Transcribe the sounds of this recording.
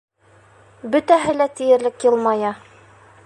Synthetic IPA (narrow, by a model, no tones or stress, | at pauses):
bɵ̆t̪æɦɘ̆læt̪ĭjɘ̆ɾlɘkjɤ̆lˠmɑjɑ